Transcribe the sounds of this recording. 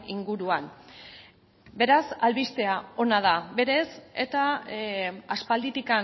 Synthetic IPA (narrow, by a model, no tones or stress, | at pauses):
iŋɡuɾuan | be̞ɾasalβist̪e̞ao̞nað̞aβe̞ɾe̞se̞t̪a | aspald̪it̪ika